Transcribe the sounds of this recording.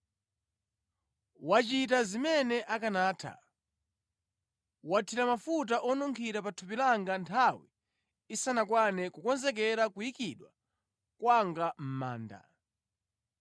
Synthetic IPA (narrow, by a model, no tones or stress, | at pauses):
wat͡ʃitazimɛnɛʔakanaːtʰa̰ | watʰiɾamafut̬aʔɔnɔŋkʰiɾapatʰupilaŋɡantʰawiː | sanakwanɛkukɔnzɛk̬ɛɾakujikiɗwa | kwaŋɡam̩ma̰ːnda̰